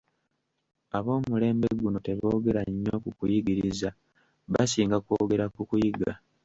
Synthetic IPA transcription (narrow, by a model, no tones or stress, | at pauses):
aβo̞ːmule̞ːmbeɡuno̞te̞βo̞ːɡe̞ɾaɲːo̞kukujiɡiɾiza | βasiːŋɡakwoːɡe̞ɾakukujiɡa